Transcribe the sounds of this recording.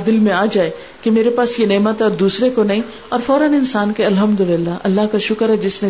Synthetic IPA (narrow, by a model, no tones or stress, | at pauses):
d̪ɪlmẽaːd͡ʒaːe | kemeːɾepaːsjeneːmət̪ɦɛɔːɾd̪uːsɾekonɐɦĩ | ɔːɾfɔːɾənɪnsaːnkeɐlɦəmd̪ʊlɪlːaʔɐlːaɦkaʃʊkəɾɦɛd͡ʒɪsnẽ